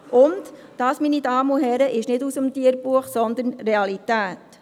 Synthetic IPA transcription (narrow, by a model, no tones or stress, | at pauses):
ʔʊnt | d̥ɑːsminidɑːmuɦɛɾəʔɪʃnɪdusəmtiəɾbuəχsɔnd̪ənreɑlitæːt